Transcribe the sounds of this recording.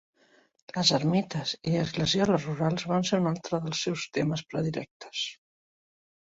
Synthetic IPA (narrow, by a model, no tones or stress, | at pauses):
ləzəɾmit̪əziəzɣləzjɔləzruɾalˠzβanseɾunalˠt̪ɾəðəlˠsːɛwst̪eməspɾəðiɾɛ̰k̚t̪ə̥s